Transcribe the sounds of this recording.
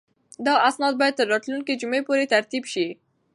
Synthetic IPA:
d̪ɑʔasnɑd̪̚bɑjad̪̚t̪əɾːɑt̪lunkid͡ʒʊmepoɾet̪aɾt̪ibʃi

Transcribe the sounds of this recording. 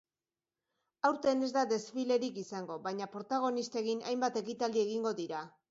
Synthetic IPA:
awɾt̪e̞ne̞zd̪aðe̞sfile̞ɾikisaŋɡo̞βajɲapoɾt̪aɣ̞o̞nist̪e̞ɣina̰jmbat̪e̞kit̪ald̪ie̞ɣ̞iŋɡo̞ðiɾa

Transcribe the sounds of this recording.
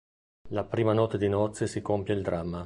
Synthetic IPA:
lapɾiːmanɔt̪ːed̪inɔt̪sːesikompjeild̪ɾamːa

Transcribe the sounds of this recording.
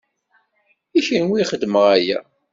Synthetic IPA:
içinwiχəd̪ːməʁæjæ̰

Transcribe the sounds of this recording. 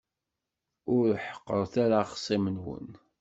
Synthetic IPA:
ʊɾħə̥qːəɾˤθæɾaχsˤimənwə̰n

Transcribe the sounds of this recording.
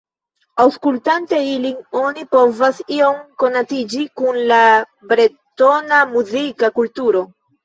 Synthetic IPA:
awskultante̞ilino̞nipo̞vasio̞mko̞natid͡ʒikunla | bɾe | to̞namuzikakultuɾo̞

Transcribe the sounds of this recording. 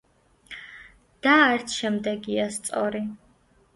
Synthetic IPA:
d̪̥aːɾt̪ʰʃɛmd̪ɛɡiast̪sʼɔɾi

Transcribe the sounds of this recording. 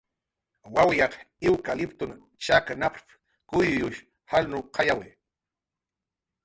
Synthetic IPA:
wawjɑq | ɪwkalɪpt̪ʊn | t͡ʃakanapp | kʊjjʊʃ | halnʊqʰɑjawɪ

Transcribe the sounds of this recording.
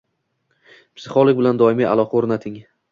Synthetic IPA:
psɪχolˠoʊk̚ʲbɪland̪ɒɪmia̰lˠɒqʰɑoɾnat̪ʰɪŋ

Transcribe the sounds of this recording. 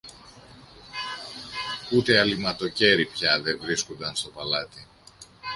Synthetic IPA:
ut̪e̞ɐlimɐt̪o̞ce̞ɾipçɐðe̞vɾisko̞nd̪ɐnst̪o̞pɐlɐt̪i

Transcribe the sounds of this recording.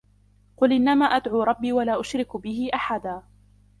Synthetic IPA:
qʊlʔɪnːamaːʔad̪ʕuːɾˤɑbːiːwalaːʔʊʃɾɪkbɪɦɪʔaħad̪aː

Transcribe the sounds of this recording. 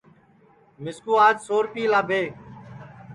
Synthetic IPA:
mɪskuːaːd͡ʒsoːɾpiːlaːbʱeːk

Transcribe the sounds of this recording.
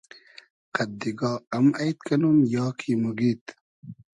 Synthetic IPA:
qɐd̪ːiɡɑːɐmajt̪̚kɐnumjɑːkʰimuɡit̪

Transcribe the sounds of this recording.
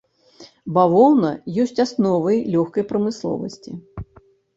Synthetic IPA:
bavɔwnɐjɔsʲt͡sʲasnɔvɐjlʲɔxkɐjpɾɐmɨslˠɔ̰vɐsʲt͡sʲi

